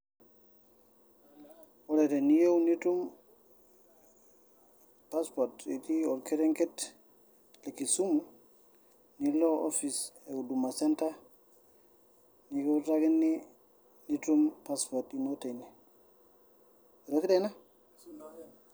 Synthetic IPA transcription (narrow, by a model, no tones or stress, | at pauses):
wɔledenijewnitum | paspoɾtitiɔlkeɾeŋket | lekisumu | niloʔofiseudumasenta | nijowtaɡinːi | nitumpaspotinoteni | ɾokdena